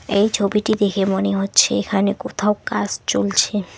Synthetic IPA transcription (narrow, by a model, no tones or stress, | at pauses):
ejt͡ɕʰobiʈid̪ekʰemoneɦotːɕʰeekʰanekot̪ʰawkad͡ʑt͡ɕolt͡ɕʰe